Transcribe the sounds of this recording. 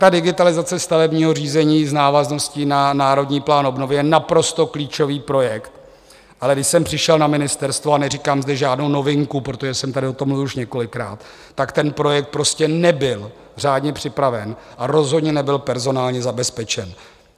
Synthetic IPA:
t̪adɪɡɪt̪alɪzat͡sɛst̪avɛbɲiːɦo̞riːzɛɲiːznaːvazno̞scɪnanaːɾo̞dɲiːplaːnʔobno̞vɪjɛnapɾo̞st̪o̞kliːt͡ʃo̞viːpɾo̞jɛkt̪ | ʔalɛɡdɪʃsɛmpr̝̥ɪʃɛlnamɪnɪst̪ɛɾst̪voanɛriːkaːmzdɛʒaːdno̞wno̞vɪŋkupɾot̪o̞ʒɛsɛmt̪adɪo̞t̪omluvɪʃɲɛko̞lɪkɾa̰ːt̪ː | akt̪ɛnpɾo̞jɛkt̪̚pɾo̞scɛnɛbɪl | r̝aːdɲɛpr̝̥ɪpɾavɛnʔaɾo̞zɦodɲɛnɛbɪlpɛɾzo̞naːlɲɛzabɛspɛt͡ʃɛn

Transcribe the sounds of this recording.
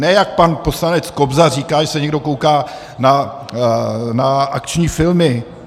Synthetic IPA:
nɛjak̚panpo̞slanɛt͡skobzariːkaːʒɛsɛɲɛɡdo̞kowkaː | na | naakt͡ʃɲiːfɪlmɪ

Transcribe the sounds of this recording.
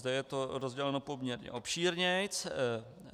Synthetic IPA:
zd̪ɛjɛt̪oɾozɟɛlɛno̞po̞mɲɛɾɲɛ̰ʔo̞pʃiːɾɲɪt͡s

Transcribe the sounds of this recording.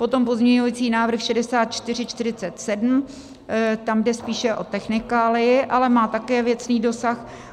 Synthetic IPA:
po̞t̪o̞mpo̞zmɲɛɲuvit͡siːnaːvr̩xʃɛdɛsaːt̪̚t͡ʃt̪ɪr̝ɪt͡ʃt̪ɪɾɪt͡sɛt̪sɛdm̩ | t̪amdɛspiːʃɛʔo̞t̪ɛxnɪkaːlɪjɪʔalɛmaːt̪akɛːvjɛt͡sniːdo̞sax

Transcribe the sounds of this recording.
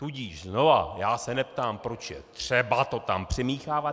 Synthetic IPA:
t̪uɟiːʃzno̞va̰jaːsɛnɛpt̪aːmpɾo̞t͡ʃjɛ̰t̪r̝̥ɛbat̪o̞t̪ampr̝̥ɪmiːxaːvat̪

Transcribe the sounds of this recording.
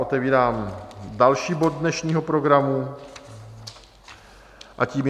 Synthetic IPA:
ʔot̪ɛviːɾaːmdalʃiːbo̞d̚dnɛʃɲiːɦo̞pɾo̞ɡɾamu | ʔaciːm

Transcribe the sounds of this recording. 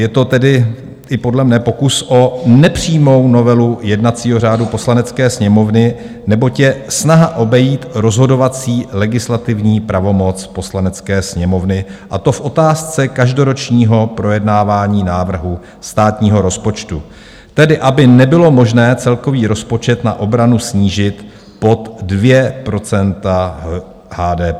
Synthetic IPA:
jɛt̪o̞t̪ɛdɪ | ʔɪpo̞dlɛmnɛpo̞kusʔo̞nɛpr̝̥iːmo̞wno̞vɛlujɛdnat͡siːɦo̞r̝aːdupo̞slanɛt͡skɛːsɲɛmo̞vnɪ | nɛbo̞cjɛsnaɦaʔo̞bɛjiːt̪ɾo̞zɦo̞do̞vat͡siːlɛɡɪslat̪ɪvɲiːpɾavo̞mo̞t͡spo̞slanɛt͡skɛːsɲɛmo̞vnɪʔat̪o̞fʔo̞t̪aːst͡sɛkaʒdo̞ɾo̞t͡ʃɲiːɦo̞pɾo̞jɛdnaːvaːɲiːnaːvr̩ɦu | st̪aːt̪ɲiːɦo̞ɾo̞spo̞t͡ʃt̪u | t̪ɛdɪʔabɪnɛbɪlo̞mo̞ʒnɛːt͡sɛlko̞viːɾo̞spo̞t͡ʃɛt̪na̰ʔo̞bɾanusɲiːʒɪt̪ | po̞t̪dvjɛpɾo̞t͡sɛnt̪a | haːdɛː

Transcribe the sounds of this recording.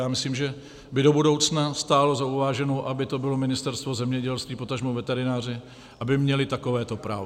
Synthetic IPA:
jaːmɪsliːmʒɛ | bɪdo̞budo̞wt͡snast̪aːlo̞zauvaːʒɛnowʔabɪt̪o̞bɪlo̞mɪnɪst̪ɛɾst̪vo̞zɛmɲɛɟɛlst̪viːpot̪aʒmowvɛt̪ɛɾɪnaːr̝ɪ | ʔabɪmɲɛlɪt̪akovɛːt̪o̞pɾa̰ːv

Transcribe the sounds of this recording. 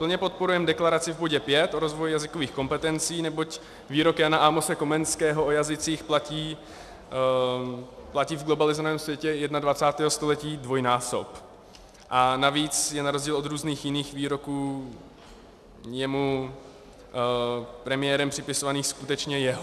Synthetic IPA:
pl̩ɲɛpo̞t̪̚po̞ɾujɛmdɛklaɾat͡sɪvboɟɛpjɛt̪ʔoɾo̞zvo̞jjazɪkoviːxko̞mpɛt̪ɛnt͡siːnɛbo̞c | viːɾo̞kjanaʔamosɛko̞mɛnskɛːɦoʔojazɪt͡siːxplaciː | placiːvɡlo̞balɪzonaɛːmsvjɛcɛjɛdnadvat͡saːt̪ɛːɦost̪o̞lɛciːdvo̞jnaːsop | ʔanaviːt͡sjɛnaɾozɟiːlod̪ɾuːzniːxjɪniːxviːɾo̞kuː | jɛmu | pɾɛmɪjɛɾɛmpr̝̥ɪpɪsovaniːxskut̪ɛt͡ʃɲɛjɛɦo

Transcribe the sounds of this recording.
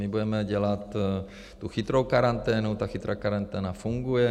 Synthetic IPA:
mibuɛməd͡ʒəlat̪ | t̪uxit̪ɾowkaɾant̪ɛnut̪axit̪ɾakaɾant̪ɛnafuŋɡuɛ

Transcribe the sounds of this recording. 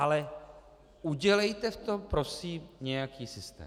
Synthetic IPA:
alɛ | ʔuɟɛlɛjt̪ɛft̪o̞mpɾo̞siːmɲɛjakiːsɪst̪ɛ̰ː

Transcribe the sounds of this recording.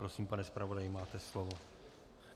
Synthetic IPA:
ɾosiːmpanɛspɾavodajɪmaːt̪ɛslovo

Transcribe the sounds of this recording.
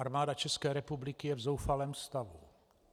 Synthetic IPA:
aɾmaːdat͡ʃɛskɛːɾɛpublɪkɪjɛvzowfalɛːmst̪avu

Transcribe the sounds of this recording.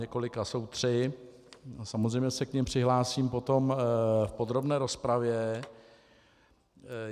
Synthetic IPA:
ɛko̞lɪkasowt̪r̝̥ɪ | samo̞zrɛjmɲɛsɛkɲɪmpr̝̥ɪɦlaːsiːmpo̞t̪o̞mfpo̞d̪ɾo̞bnɛːɾo̞spɾavjɛ

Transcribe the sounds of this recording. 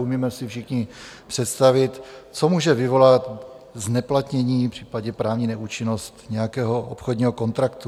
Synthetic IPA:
umiːmɛsɪfʃɪxɲɪpr̥ɛt̪st̪avɪt̪t͡somuːʒɛvɪvo̞lat̪ | znɛplat̪ɲɛɲiːpr̝̥iːpaɟɛpɾaːvɲiːnɛʔuːt͡ʃɪno̞st̪ɲɛjakɛːɦo̞ʔo̰pxodɲiːɦoko̞nt̪ɾakt̪u

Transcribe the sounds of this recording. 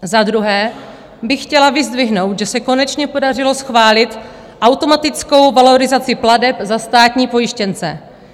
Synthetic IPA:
zad̪ɾuɦɛː | bɪxxcɛlavɪzd̪vɪɦno̞wt̪ʒɛsɛko̞nɛt͡ʃɲɛpo̞darɪlo̞sxvaːlɪt̪ | ʔawt̪o̞mat̪ɪt͡sko̞wvalo̞ɾɪzat͡sɪpladɛpzast̪aːt̪ɲiːpo̞jɪʃcɛnt͡sɛ̰

